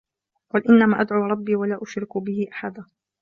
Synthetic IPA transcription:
qʊːlʔɪnːamaːʔad̪ʕʊːɾˤɑbːiːwalaːʔʊʃɾɪkbɪhɪʔaħad̪a

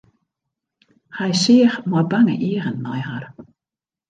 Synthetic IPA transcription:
xajsɪəxmɔbaŋə̰ʔiəɣənːɔjɦar

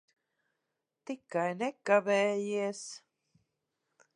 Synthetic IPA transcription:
t̪ikajnekaβeːjies

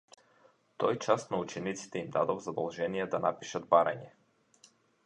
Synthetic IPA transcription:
t̪ɔjt͡ʃast̪naut͡ʃɛnit̪si̥t̪ɛimd̪ad̪ɔvzad̪ɔlˠʒɛnijɛd̪anapiʃad̪̚baɾa̰ɲɛ

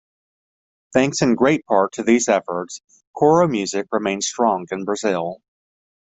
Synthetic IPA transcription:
θæ̃ŋksɨ̃nɡɹeɪt̚pʰɑɹtʰɨðizɛfə˞ts | kʰɔɹoʊmjʉzɨkɹɨmẽɪ̃nz̥stɹ̥ɔ̃ŋɨ̃nbɹɨzɪlˠ

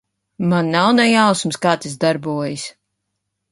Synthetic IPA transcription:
manːawnɛjawsmskaːt̪izd̪aɾbuɔjis

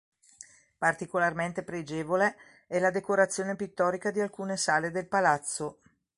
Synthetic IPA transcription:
part̪ikolarment̪epɾed͡ʒeːvole | ɛlad̪ekoɾat̪sːjoːnepit̪ːɔːɾikad̪ialkuːnesaːled̪elpalat̪sːo

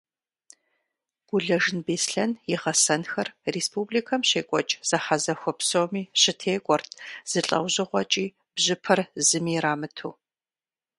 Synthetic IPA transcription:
ɡ̥ʷʊɮɐʒɪnbeːsɬɐnjɪʁɐsɐnxɐrrespubliːkʰɐmɕeːkʷʼɔt͡ʃʼz̥ɐħazɐxʷɔpsomiːɕɪtʰeːkʷʼɔrtʰz̥ɨɬʼɐ̰wʑɪʁʷɔt͡ʃʼiː | b̥ʑɪpʰɐrzɨmiːraːmɨtʰuː

